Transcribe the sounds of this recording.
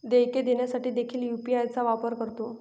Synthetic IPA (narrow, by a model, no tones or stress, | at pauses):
d̪ejked̪eɳjasaʈiːd̪ekʰiːljupiajt͡saʋapəɾkəɾt̪o